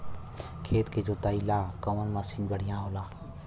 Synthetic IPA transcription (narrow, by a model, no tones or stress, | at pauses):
kʰeːt̪ked͡ʒoːt̪aːilãːkə̃ənmasiːnbəɽ̤ɪjãːɦoːlaː